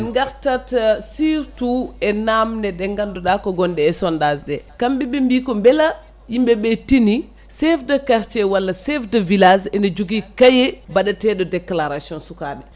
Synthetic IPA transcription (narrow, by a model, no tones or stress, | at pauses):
ŋɡaɾtatsiɾtuɛnamnɛdɛŋɡandɔɗakɔɡɔndɛːsɔndazdɛkambibimbikɔmbɛla | jimbɛbɛtini | sɛfdakaɾt͡ʃɛwalːasɛfdavilasɛnad͡ʒuɡikajɛbaɗatɛɗɔdɛklaɾasjɔnsukaːɗɛ